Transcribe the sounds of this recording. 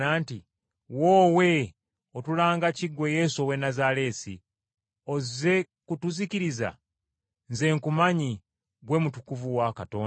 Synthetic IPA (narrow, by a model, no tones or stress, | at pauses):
aːnti | woːwe̞ | otulaːŋɡaciɡwe̞je̞ːso̞we̞nazale̞sḭ | o̞ze̞ | kutuziciɾiza̰ | nze̞ŋkumaɲi | ɡwe̞mutukuvuwakato̞ː